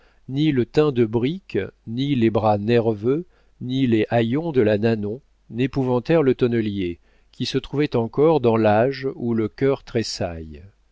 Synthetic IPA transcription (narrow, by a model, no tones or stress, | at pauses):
nilət̪ɛ̃d̪əbʁiknilebʁanɛʁvø | nileʔajɔ̃d̪əlananɔ̃ | nepuvɑ̃t̪ɛʁlət̪ɔnəlje | kʲisət̪χuvɛt̪ɑ̃kɔʁd̪ɑ̃laʒuləkʲœʁt̪χesaj